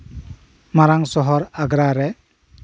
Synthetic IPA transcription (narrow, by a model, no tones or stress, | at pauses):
maɾaŋsɔɦɔɾaɡɾaɾɛ